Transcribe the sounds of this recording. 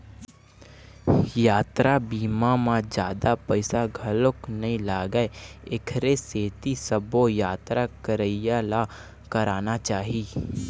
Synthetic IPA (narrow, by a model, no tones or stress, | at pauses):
jaːt̪ɾabiːmamãd͡ʒjaːd̪apəɪsaɡʱɐloknɐĩlaːɡəeekʰɾeseːt̪isəbojaːt̪ɾakəɾəɪjala | kəɾaːnat͡ʃaːɦiː